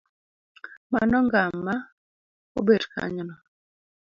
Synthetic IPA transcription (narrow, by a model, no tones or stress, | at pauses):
ma̰nɔŋɡamːa | obedkʰa̰ɲɔnɔ